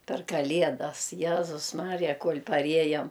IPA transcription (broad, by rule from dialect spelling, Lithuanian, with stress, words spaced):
pʲɛr kɐˈlʲiɛdɐs ˈjæːzʊs ˈmɑːrʲɪjɛ ˈkuɔlʲ pɐˈrʲiɛjɛm